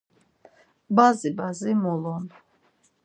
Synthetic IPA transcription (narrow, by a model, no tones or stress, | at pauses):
bazibazimɔlɔn